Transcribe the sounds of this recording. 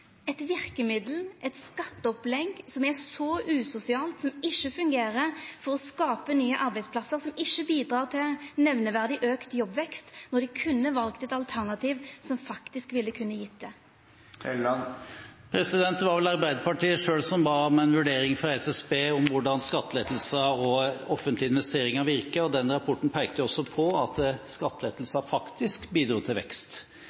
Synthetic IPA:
ɛt̪ʋɪʁkəmɪd̪l̩ʔɛt̪skɑt̪ːəɔplɛɡsɔmɛʁsɔʔʉːsʊsɪɑːlt̪sɔmɪʃːəfʉŋɡeːʁəʁfɔʁɔskɑːpənyːəʔɑʁbæɪdsplɑsəʁsɔmɪʃːəbiːd̪ʁɑːʁt̪ʰɪnɛʋnəʋæʁd̪ɪʔøːkt̪jɔbʋɛkst̪nɔʁd̪ɛkʰʉnːəʋɑlkt̪ɛt̪ɑlt̪ʰæʁnɑt̪iːʋsɔmfɑkt̪ɪskʋɪlːəkʰʉnːəjɪt̪̚d̪ɛ | ɛ | pʰɾɛsɪd̪ɛnt̪d̪ʋɑɾʋɛlɑɾbæɪd̪əpɑʈiːəʂøːlsɔmbɑːmɛɪnʋʉɖeːɾɪŋfɾɔɑɾɛsɛsbeːɔmʋʊɖɑnskɑt̪ːəlɛt̪l̩səɔɔfənt̪lɪɪnʋɛst̪eːɾɪŋɑʋɪɾkəɔd̪ɛnɾɑpʰɔʈːn̩pʰæɪɡt̪əjʊɔsːɔpʰɔɑt̪skɑt̪ːəlɛːt̪l̩sɑfɑkt̪ɪskbiːd̪ɾuːt̪ʰɪlʋɛ̰kst̪

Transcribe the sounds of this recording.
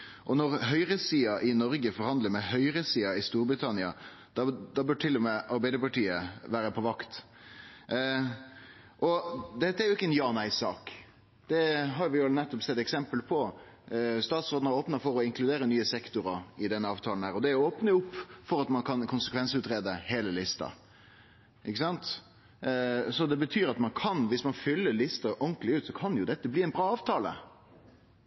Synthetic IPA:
ʔɔnɔɾɦœʏɾəsiːɑʔɪnɔɾɡəfɔɾhɑnd̪ləɾmɛhœʏɾəsiːɑɪst̪uːɾbɾɪt̪ʰɑnɪɑ̰ | d̪̥ɑd̪ɑbʉɖ̚ʈʰɪlːʊmɛɑɾbæɪd̪əpɑʈiːəʋæːɾəpʰɔʋɑkt̪ | ʔɔd̪ɛt̪ːəæɾjʊɪkːəɛnjɑːnæɪsɑ̰ːk | d̪̥ɛɦɑɾʋɪnɛt̪ːɔpsɛt̪ːɛksɛmpəlpʰɔ | st̪ɑːt̪sʁoːd̪n̩əɾoːpnəfɔɾɔɪŋklʉd̪eːɾənyːəsɛkt̪ʊɾəɑɪd̪ɛnːəɑːʋt̪ʰɑːln̩hæːɾɔd̪ɛʊoːpnəʊpːfɔɾɑt̪mɑnkʰɑnkʰʊnsəkʰʋɛnsʉt̪ɾeːd̪əheːləlɪst̪ɑ̰ | ʔɪkːəsɑnt̪ | sɔd̪ɛbət̪ʰyːɾɑt̪mɑnkʰɑnʋɪsmɑnfʏlːəɾlɪst̪ɑʔɔŋklɪʉːt̪sɔkʰɑnjʊd̪ɛt̪ːəbliːæɪnbɾɑːɑːʋt̪ʰɑːlə̰

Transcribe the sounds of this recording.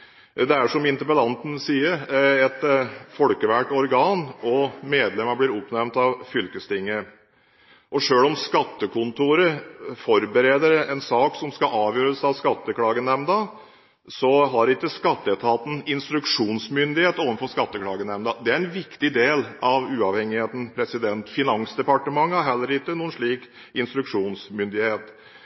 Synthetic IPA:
d̪ɛæʂɔmɪnt̪əɾpəlɑnt̪n̩siːəɾɛt̪fɔlkəʋæʈɔɾɡɑːnɔmeːd̪lɛməblɪɾʊpnæɾmt̪ɑʋfʏlkəst̪ɪŋːə | ʔɔʂøːlɔmskɑt̪ːəkʰʊnt̪ʰuːɾəfɔɾbəɾeːd̪əɾɛnsɑːksɔmskɑʔɑːʋjøːɾəsɑʋskɑt̪ːəkʰlɑːɡənɛmnə | sɔɦɑɾɪkːəskɑt̪ːət̪ʰɑːt̪n̩ɪnst̪ɾʉkʂuːnsmʏnd̪ɪheːt̪oːʋənfɔskɑt̪ːəkʰlɑːɡənɛmnd̪ɑd̪ɛæɾɛnʋɪkt̪ɪd̪eːlɑʋʉːɑʋhɛŋɪheːt̪n̩pʰɾɛsɪd̪ɛnt̪fɪnɑŋsd̪ɛpɑʈəmɑŋːəæɾɦɛlːəɾɪkːənuːənʂɭiːk | ɪnst̪ɾʉkʂuːnsmʏnd̪ɪheːt̪

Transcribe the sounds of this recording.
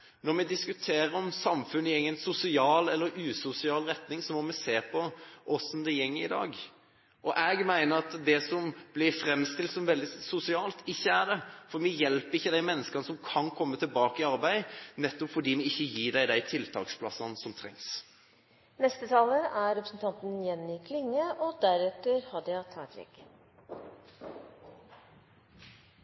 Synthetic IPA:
nɔɾmɛd̪ɪskʉt̪ʰeːɾəɾɔmsɑmfʉnːəɛŋːənsʊsɪɑːlɛlːəɾʉːsʊsɪɑːlɾɛt̪nɪŋsɔmɔmɛseːpʰɔʔɔsɔmd̪ɛjɛŋːəɪd̪ɑ̰ːɡ | ʔɔʔɛɡmæɪnəɾɑt̪d̪ɛsɔmb̥lɪɾfɾɛmːst̪ɪlt̪sɔmʋɛld̪ɪsʊsɪɑːlt̪ɪçːəæɖɛfɔɾmɪjɛlpəɾɪçːəd̪æɪmɛnːəskɑnəsɔmkʰɑnkʰɔmːət̪ʰɪlbɑːkəɪɑɾbæɪnɛt̪ːɔpfɔɖiːmɛɪçːəjiːɖæɪd̪æɪt̪ʰɪlt̪ʰɑ̰ːkspʰlɑsɑnsɔmt̪ʰɾɛ̰ŋs | nɛst̪ət̪ʰɑːləæɾɛpɾəsn̩t̪ʰɑnt̪n̩jɛnːɪkʰlɪŋːəʔɔd̪æɾɛt̪əɾhɑd̪əɑt̪ʰɑkt̪ʋɛ̰k

